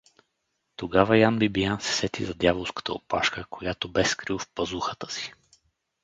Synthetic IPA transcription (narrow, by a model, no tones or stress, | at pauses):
t̪oɡavəjanbibijansɛ̥sɛt̪izɐd̪javolˠskə̥t̪ə̰o̰pa̰ʃkəkojat̪obɛskɾifpɐzuxət̪ə̥si̥